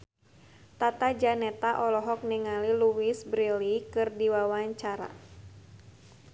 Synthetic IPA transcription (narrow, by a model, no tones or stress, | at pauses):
t̪at̪ad͡ʒanɛt̪aʔɔlɔɦɔk̚niŋaliluwisbɾilikɨrdiwawaɲt͡ʃaɾa̰